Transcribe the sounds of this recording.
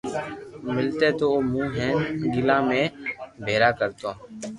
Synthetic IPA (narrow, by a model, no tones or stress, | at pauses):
mɪlt̪eːt̪oːoːmũːɦɛːnɡɪlãːmẽːbʱeːɾaːkəɾt̪õː